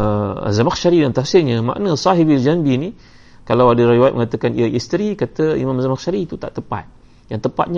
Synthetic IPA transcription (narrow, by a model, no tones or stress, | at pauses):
ə̰zamakʃaɾidant̪afsiɲəma̰ʔnəsaɦibild͡ʒanbini | kalawadəɾiwajat̪̚məŋat̪əkanḭaist̪ɾikat̪əḭmamzamakʃaɾit̪ut̪a̰ʔt̪əpa̰t̪̚ | jaŋt̪əpa̰t̪̚ɲa